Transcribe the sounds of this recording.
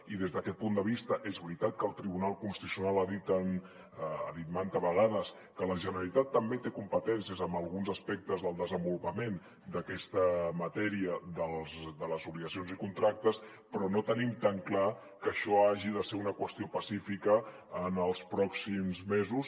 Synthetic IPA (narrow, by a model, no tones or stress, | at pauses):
iðezðəkɛt̪̚pund̪əβ̞ist̪əʔezβɾit̪at̪̚kəlˠt̪ɾiβ̞unalˠkunst̪isiunalaðit̪an | ə̰ðit̪mant̪əβəɣaðəs | kələʒənəɾəlit̪at̪ːəmbet̪ekumpət̪ɛnsiəzəmbəlˠɣunzəspɛk̚t̪əzðəlˠd̪əzəmbulupəmen | d̪əkɛst̪əmət̪ɛɾiəðəlˠzd̪ələzuβliɣəsionzikunt̪ɾak̚t̪əs | pɾɔnot̪ənimt̪aŋkla | kəʃɔaʒiðəseɾunəkwəst̪iopəsifikəː | nəlˠspɾɔksimzmezus